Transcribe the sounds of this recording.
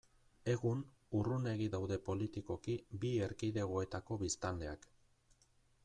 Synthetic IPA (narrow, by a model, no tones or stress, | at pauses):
e̞ɣun | urune̞ɣ̞id̪awðe̞po̞lit̪iko̞kibie̞ɾkiðe̞ɣ̞o̞e̞t̪ako̞βist̪ald̪e̞ak